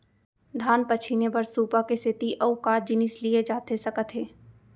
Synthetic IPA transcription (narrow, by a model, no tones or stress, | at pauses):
d̪ʱaːnpət͡ʃʰinebɐɾsuːpakesɪt̪iʔɐʊkaːɾd͡ʒɪnɪslied͡ʒaːt̪esɐkət̪ʰɦeː